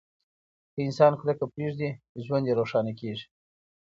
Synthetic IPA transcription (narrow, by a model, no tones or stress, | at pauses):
kəɪnsɑnxlakəpɾeʐd̪i | ʒwand̪jeɾoʂɑnakeʐi̥